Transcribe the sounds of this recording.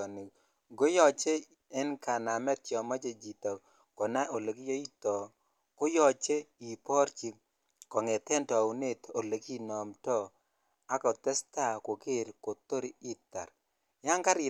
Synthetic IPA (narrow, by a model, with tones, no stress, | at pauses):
ni˨ | ɡo˦jɔ˦t͡ʃe˦ | ɛ˦nka˨na˨mɛ˦tjɔ˨ma˦t͡ʃe˨d͡ʒi˨tɔ˨ | kɔ˨na˦o˨le˨ki˦jo˦i˦tɔ˨ | ko˦jɔ˦t͡ʃe˦i˨pɔ˦ɾt͡ʃi˦ | kɔ˨ŋɛ˨t̪ɛ˦ntɔ˨u˨ne˦˨to˨le˨ki˦nɔ˨mtɔ˦ | a˦kɔ˨tɛ˦sta˦˨ko˨ke˦˨ɾko˨t̪o˦ɾi˦i˦t̪ːa̰˨ɾ | ja˦ŋka˦ɾɪ˨